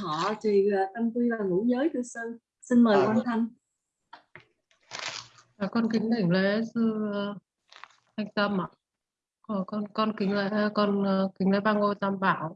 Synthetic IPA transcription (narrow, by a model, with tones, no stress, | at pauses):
ɔ˧˩t͡ɕi˨˩˨t̪ə˧mt̪wi˧vaː˨˩ŋṵ˧˥zəː˨˦jt̪ʰɨ˧sə˧n | si˧nməː˨˩jkwaː˧nt̪ʰa˧ŋ | vaː˨˩kɔ˧nki˨˦ŋt̪ï˧˩ŋlḛ˧˥sɨ˧ | ha˧ŋ̟t̪ə˧m˧˨˩ | kɔ˧˩kɔ˧nkɔ˧nkï˨˦ŋ̟lḛ˧˥˦kɔ˧n˨kï˨˦ŋlḛ˧˥ɓaː˧ŋo˧˩jt̪a˧mɓaː˧˩˨w